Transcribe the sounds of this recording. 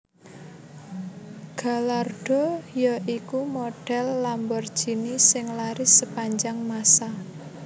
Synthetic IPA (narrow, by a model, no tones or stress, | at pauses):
ɡ̥a̤larɖ̥ɔ̤jɔʔikumoɖ̥ɛlːambɔrd̥ʒ̥i̤nisɪŋlaɾɪsəpaɲd͡ʒaŋmasa